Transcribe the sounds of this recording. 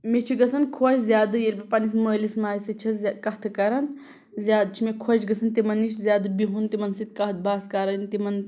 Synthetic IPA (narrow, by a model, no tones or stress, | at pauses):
met͡ʃʰiɡɐsɐnkʰoːt͡ʃʲzʲjaːd̪ɨjelʲbipɐnis̬məːlismaːjsit͡ʃʰɐzʲkɐɦt̪ʰɨkɐɾɐn | zʲjaːd̪̚t͡ʃʰimekʰoːt͡ʃɡɐsɐnt̪imɐnːit͡ʃʰzʲjaːd̪ɨbiɦunt̪imɐnsit̪̚kɐɦt̪̚baːt̪kɐɾɐnt̪imɐn